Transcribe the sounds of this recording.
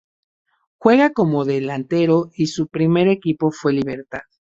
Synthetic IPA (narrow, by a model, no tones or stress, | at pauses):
xwe̞ɣako̞mo̞ðe̞lant̪e̞ɾo̞isupɾime̞ɾekipo̞fwe̞liβe̞ɾt̪a̰ð